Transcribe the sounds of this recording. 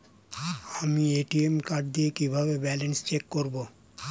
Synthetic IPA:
amieʈiemkaɾʈ̚d̪iekibʱabebɛlenst͡ʃekːoɾbo

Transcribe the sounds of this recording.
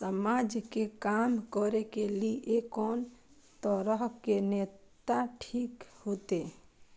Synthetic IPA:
səmaːd͡ʒkekamkɔɾekeliʔekɔːn | t̪əɾəɦkeneːtt̪aʈʰiːkhoːt̪e

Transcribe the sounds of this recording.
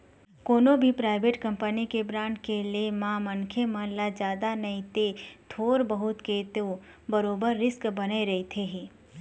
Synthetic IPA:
koːnõbʱipɾaːɪʋeːʈkɐ̃mpənikebɾãːɳʈkeliemãmɐ̃nkʰemə̃lad͡ʒjaːd̪anɐit̪et̪ʰoːɾbəɦʊt̪ket̪o | bɐɾoːbəɾːɪskbɐneɾɐit̪ʰeɦĩː

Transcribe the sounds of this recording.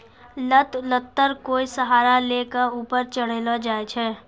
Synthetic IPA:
lət̪lət̪ːəɾkoːisəɦaːɾalekauːpəɾt͡ʃəɽ̤eːlad͡ʒaːet͡ʃʰɛː

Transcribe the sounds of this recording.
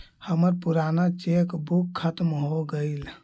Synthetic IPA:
həməɾpuɾanat͡ʃekbukʰːət̪mɦoɡəɪl

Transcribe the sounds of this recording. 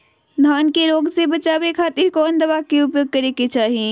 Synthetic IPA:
d̪ʱaːnkeɾoːɡsebət͡ʃaːbekʰat̪iɾkɔːnd̪əβakeupjoːɡ̚kəɾeket͡ʃaːɦi

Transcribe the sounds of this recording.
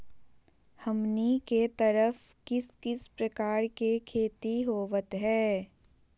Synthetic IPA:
hɐmniket̪əɾəf | kɪskɪspɾɐkaːɾkekʰeːt̪iɦoːʋət̪ɦɛː

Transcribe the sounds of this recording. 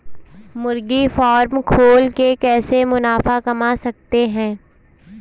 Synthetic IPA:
mʊɾɡifɔːɾmkʰoːlkekɛːsemʊnaːfakɐmasɐk̚t̪eɦɛ̃ː

